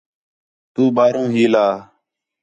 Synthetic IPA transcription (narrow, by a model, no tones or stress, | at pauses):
t̪uːɓaːɾõːɦiːlaː